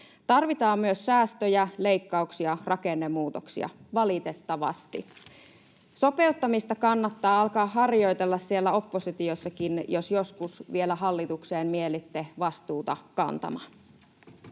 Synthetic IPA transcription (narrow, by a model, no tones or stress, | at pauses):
t̪ɑrʋit̪ɑːmmyøsːæːst̪øjæle̞ikːɑuksiɑrʔɑkenːemːuːt̪oksḭɑ̰ʋɑlit̪e̞t̪ːɑʋɑ̰st̪ḭ | so̞pe̞ut̪ːɑmist̪ɑkɑnːɑt̪ːɑːɑlkɑːɦɑrjo̞jt̪elːɑssie̞lːæo̞pːosit̪iosːɑkinjosjo̞skusʋielæɦɑlːit̪ukseːmmielit̪ːeʋɑst̪uːt̪ɑkɑ̰nt̪ɑ̰mɑ